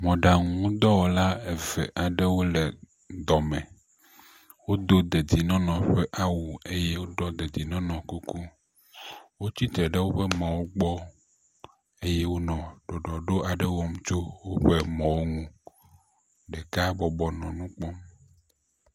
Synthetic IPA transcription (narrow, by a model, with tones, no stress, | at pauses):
mɔ̃˨ɖa˨ŋũ˦d̪ɔ˦wo˨la˦e˨vɛ̰˨ʔa˨ɖe˦wo˦le˨ | d̪ɔ˨mɛ̃˨ | wo˦d̪o˦d̪e˨d̪i˨nɔ̃˦nɔ̃˨ɸe˦ʔa˦wu˨e˦je˦wo˦ɖɔ˦d̪e˨d̪i˨nɔ̃˦nɔ̃˨ku˦ku˦ | wo˦t͡ɕi˦t̪ɾe˨ɖe˦wo˦ɸe˦mã˨wo˦ɡ͡bɔ˦ | e˦jɛ˦wo˦nɔ̃˨ɖ̥ɔ˨ɖɔ˨ɖo˦a˨ɖe˦wɔ˦m˦t͡ʃo˦wo˦ɸe˦mɔ̃˨wo˦ŋũ˦ | ɖɛ˨ka˦bɔ˨bɔ˨nɔ̃˨nũ˦k͡pɔ˦m